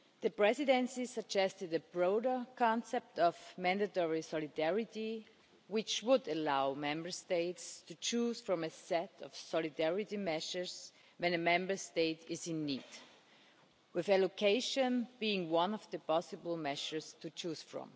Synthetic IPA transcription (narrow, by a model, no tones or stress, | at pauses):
ðɨpɹɛzɪdɛ̃nsisəɡ̚d͡ʒɛstɨdɨbɹoʊɾə˞kʰɑ̃nsɛp̚tɔvmæ̃ndɨtɔɹisɔlɪdɛɹɪti | wɪt͡ʃwʊdəlaʊmɛ̃mbə˞steɪtstʰut͡ʃuz̥fɹɔ̃mɨsɛtʌv̥sɔlɪdɛɹɪtimɛʃə˞z | wɛ̃nɨmɛ̃mbə˞steɪtɪzɪ̃nːiːd̥ | wɪðɛlokʰeɪʃə̃nbiɪ̃ŋwʌ̃nɔvðəpʰɑsɨbl̩ˠmɛʃə˞stʰut͡ʃuz̥fɹɔ̰̃m